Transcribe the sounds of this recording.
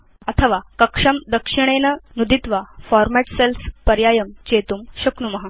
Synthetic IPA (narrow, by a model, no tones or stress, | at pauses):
ət̪ʰəʋakəkʂəmd̪əkʂiɽ̃enənud̪ʱit̪ʋafɔɾmæʈselspəɾjajəmt͡ɕet̪uːmɕɐknumɐɦa